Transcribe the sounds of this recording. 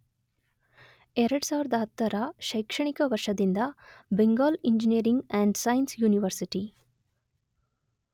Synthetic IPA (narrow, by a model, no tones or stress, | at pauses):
ɛɾɐɽsaːʋiɾɐd̪ɐɦɐt̪ːɐɾɐʃɐjkʂɐɳikɐʋɐɾʂɐd̪ind̪ɐbeŋɡaːliɲd͡ʒinijɐɾiŋɡɛɳɖsɐjnsjuːniʋɐɾsiʈi